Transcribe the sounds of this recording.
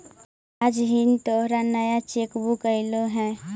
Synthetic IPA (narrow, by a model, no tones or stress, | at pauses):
ad͡ʒɦint̪oɦɾanəjat͡ʃeːkbukəɪloɦɛ̃ː